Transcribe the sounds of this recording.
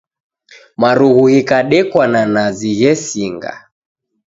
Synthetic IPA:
maɾuɣuhikaɗɛkwananaziɣɛsiŋɡa̰

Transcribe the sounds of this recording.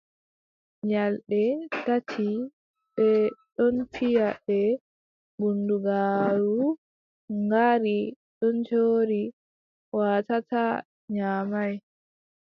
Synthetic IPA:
ɲalɗɛtatʰi | ɓɛɗɔnfijabɛ | bunduɡaːɾu | ŋɡaɾi | ɗɔnd͡ʒoːɾi | watata | ɲaːmaj

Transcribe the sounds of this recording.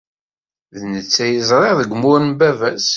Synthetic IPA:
ðnət͡sːæjəzˤɾˤeʁðəɡʷmʊɾnbævæs

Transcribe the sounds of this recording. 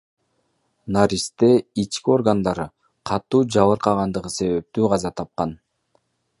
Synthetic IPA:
naɾʲist̪eit͡ʃkio̞rɡand̪ɑɾɯ | qʰɑt̪ːuːd͡ʒɑβɯɾqɑʁɑnd̪ɯʁɯse̞βe̞p̚t̪yːʁɑzɑt̪ʰɑp̚qɑn

